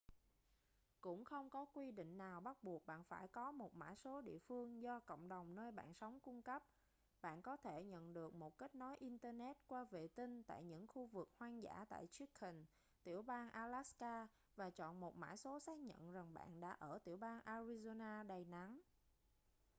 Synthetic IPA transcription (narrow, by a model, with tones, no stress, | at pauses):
kʊ̰˧˥ŋ͡mxə˧wŋ͡mkɔ˨˦kwi˧ɗḭ̈˧˨ŋ̟naː˨˩wɓa˦˥t̚ɓu˨˩ək̚ɓa̰ː˧˨nfaː˧˩jkɔ˨˦mo˨˩t̚ma̰ː˧˩jso˨˦ɗḭ˧˨əfɨ˧əŋzɔ˧kə̰˧˨wŋ͡mɗə˨˩wŋ͡mnəː˧jɓa̰ː˧˨nsa˨˦wŋ͡mkʊ˧ŋ͡mkə˦˥p̚ | ɓa̰ː˧˨nkɔ˨˦t̪ʰe˧˩ɲə̰˧˨nɗɨ˨˩ək̚mo˨˩t̚ka˦˥k̟̚nɔ˨˦jʔi˧nt̪əː˧nɛ˦˥t̚kwaː˧vḛ˧˨t̪ï˧ŋt̪a̰ː˧˨jɲɨ̰˧˥ŋxu˧vɨ˨˩k̚hwaː˧nza̰ː˧˥t̪a̰ː˧˨jt͡ɕi˦˥k̚hï˨˩n | t̪i˧˩əwɓaː˧nʔaː˧laː˦˥skaː˧ | vaː˨˩t͡ɕɔ̰˧˨nmo˨˩t̚ma̰ː˧˥˩jso˨˦saː˦˥k̚ɲə̰˧˨nza˨˩ŋɓa̰ː˧˨nɗa̰ː˧˥ʔəː˧˩t̪i˧˩əwɓaː˧nʔaː˧ɾi˧zo˧naː˧ɗə˨˩jna˨˦ŋ